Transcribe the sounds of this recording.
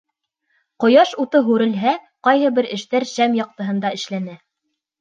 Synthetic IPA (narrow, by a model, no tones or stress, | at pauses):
qŏjɑʃut̪ɤɦʉɾɘ̆lɦæ | qɑjɦɤ̆bɘɾɘ̆ʃt̪æɾʃæmjɑq̚t̪ɤ̆ɦɤ̆nd̪ɑɘ̆ʃlænæ